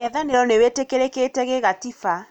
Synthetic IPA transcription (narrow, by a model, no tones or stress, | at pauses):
ɛðaneɾɔnewetekeɾeketɛɣeɣatifa